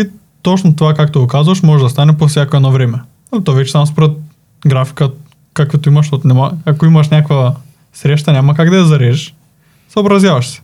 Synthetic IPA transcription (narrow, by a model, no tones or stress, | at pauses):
i | t̪ɔt͡ʃnot̪ovakakt̪oɡokazuvɐʃmɔʒɛd̪ɐst̪anɛpofsʲjakoɛd̪nɔvɾɛmɛ | t̪ɔavɛt͡ʃɛ̥amspɾɛt̪̚ | ɡɾafi̥kə | kakɛt̪oimɐʃ̬t̪ot̪nɛmaakoimɐʃnʲakvɐ | sɾɛʃ̬t̪anʲamɐkaɡd̪ɐjɛzɐɾɛʒɛʃ | soobɾɐzjavɐʃsɛ̥